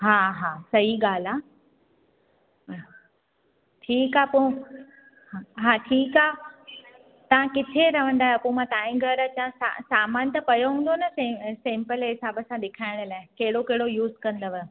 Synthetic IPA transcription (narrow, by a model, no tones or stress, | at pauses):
ɦaːɦaːsɐɦiɠaːl̤aː | ʈʰiːkaːpʊ̃ | aɦaːʈʰiːkaː | t̪ɐʋ̤ãkɪt̪ʰeɾɐʋ̤ə̃nd̪aːɦepũːmãt̪aːĩɡʱəɾət͡ɕãsa̰saːmaːnt̪ɐpɐjoɦũːn̆d̪onɐsesẽːmpəlɦɪsaːbəsãɗɪkʰaːɪɽ̃laːɪkɐɦɪɽokɐɦɪɽojuːzkɐ̃nd̪əʋə